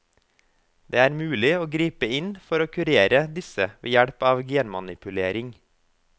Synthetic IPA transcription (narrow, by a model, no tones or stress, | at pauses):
d̪̥eːæːɾmʉːlɪoːɡɾiːpəɪnfɔɾoːkʰʉɾeːɾəd̪ɪsəʋḛːjæɽpɑːʋɡeənmɑnɪpʉleːɾɪŋ